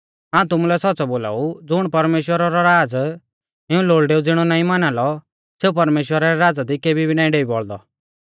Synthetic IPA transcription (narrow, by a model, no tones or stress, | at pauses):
aːũt̪ʊmulɛsɔtːsɔboːla̰ːud͡zʊɽ̃pɐɾmeːʃwəɾaɾɔɾaːd͡z | ɪũloːɭɖeːud͡zɪɽ̃ɔnaːĩmanalɔ | seːup̬ɐɾmeːʃwəɾaɾɛɾaːd͡zad̪ikeːbibinaːĩɖeːibɔɭd̪ɔ̰